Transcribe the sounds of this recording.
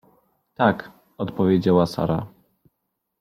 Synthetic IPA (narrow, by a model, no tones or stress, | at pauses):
t̪ak | ɔt̪pɔvʲjed͡ʑawasa̰ɾa